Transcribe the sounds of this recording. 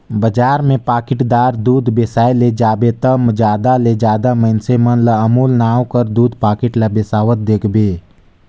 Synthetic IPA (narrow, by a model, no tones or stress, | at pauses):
bəd͡ʒaːɾmẽpaːkɪʈd̪aːɾd̪uːd̪beːsaːeled͡ʒaːbet̪əmd͡ʒaːd̪aled͡ʒaːd̪aməɪnsemənləəmuːlnaːwkəɾd̪uːd̪paːkɪʈlɐbesaːʋət̪̚d̪eːkʰbeː